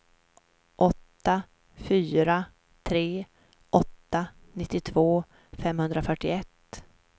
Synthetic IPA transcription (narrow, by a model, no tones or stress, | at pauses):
ʔɔt̪ːa | fyːɾa | t̪ʰɾeː | ʔɔt̪ːanɪt̪ːɪt̪ʰvoː | fɛmhɵnd̪ɾafœʈːɪɛt̪ː